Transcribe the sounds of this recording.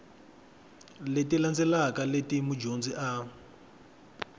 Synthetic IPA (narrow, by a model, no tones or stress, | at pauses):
letiland͡zɛlakaletimud͡ʒond͡ziʔa